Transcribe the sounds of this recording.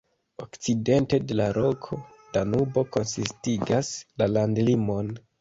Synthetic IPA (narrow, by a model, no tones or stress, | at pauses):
o̞kt͡side̞nte̞de̞laɾo̞kʰo̞ | d̥anubo̞ko̞nsistiɡaslalandlimo̞n